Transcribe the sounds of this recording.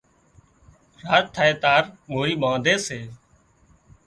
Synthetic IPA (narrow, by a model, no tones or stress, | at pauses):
ɾaːaːeːt̪aːɾmoːɾiːɓãːd̪eːseː